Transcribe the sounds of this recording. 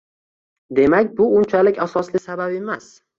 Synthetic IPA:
d̪e̞makʲbʊʊnt͡ʃʰalɪkʲʰasɒslɪsababe̞mas

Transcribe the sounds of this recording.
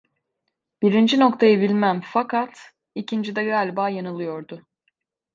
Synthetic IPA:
biɾind͡ʒino̞kt̪ʰajɯbilʲmæmfakʰat̪ | icʰind͡ʒid̪ɛɡalʲbaːjanɯlˠɯjo̞ɾd̪ʊ

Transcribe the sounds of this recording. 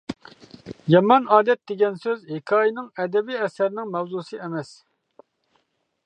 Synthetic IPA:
jɑmɑnɑːd̪ɛt̪̚d̪eɡʲɛnsøzhekʰɑːjinɪŋɛd̪ɛbiɛsæɾnɪŋmɛwzuːsɨɛmɛs

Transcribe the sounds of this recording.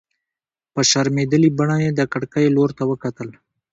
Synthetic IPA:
pəʃaɾmed̪əlibaɳajed̪əkaɽkajeloɾt̪awəkat̪əl

